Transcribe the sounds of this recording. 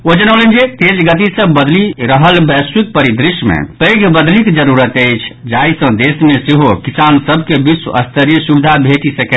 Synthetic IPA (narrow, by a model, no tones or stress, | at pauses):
od͡ʒənəwlənd͡ʒet̪elɡət̪isəbbəd̪liɾəɦəlbɛswik̚pəɾid̪ɾiʃmḛpeɡʱbəd̪likd͡ʒəɾuɾət̪əjt͡ʃʰd͡ʒaisə̃d̪esmeseɦokisansəbʱkebisə̰st̪ʰəɾijəsubid̪ʱabʱeʈisəkɛ